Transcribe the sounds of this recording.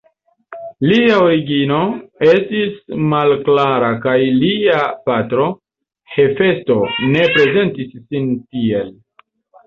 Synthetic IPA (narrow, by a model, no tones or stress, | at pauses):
liaoɾiɡino̞e̞stismalklaɾakajliapatɾo̞ | he̞fe̞sto̞ne̞pɾe̞ze̞ntisːintie̞l